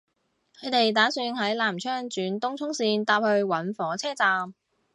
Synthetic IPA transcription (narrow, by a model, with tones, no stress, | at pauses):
kʰɵ˨˧ɥt̪e˨jt̪aː˨˥syː˧nhɐ˨˥jlaː˨˩mt͡ʃʰœː˥ŋt͡ʃyː˨˥nt̪ʊ˥ŋt͡sʰʊ˥ŋsiː˧nt̪aː˧p̚hɵ˧ɥwɐ˨˥nfɔː˨˥t͡sʰɛː˥t͡saː˨˧m